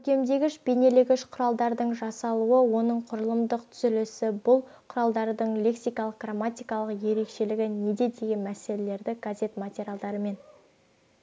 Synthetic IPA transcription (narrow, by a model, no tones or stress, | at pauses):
kʰɵkʲe̞md̪e̞ɡʲɪʃbene̞lɪɡʲɪʃqʰʊɾɑlˠd̪ɑɾd̪əɴʒɑsɑlˠuəwo̞nəɴqʰʊɾəlˠəmd̪əq̚t̪ʰʏ̥zɪlɪsɪbʊlˠ | qʰʊɾɑlˠd̪ɑɾd̪əɴlʲe̞ksijkɑlˠəq̚ɡramat̪ʲijkɑlˠəqje̞ɾe̞kʃe̞lɪɡʲɪne̞d̪e̞d̪e̞ɡʲe̞nmæse̞le̞le̞ɾd̪ɪɡaze̞t̪mat̪ʲeɾʲjalˠd̪ɑɾəme̞n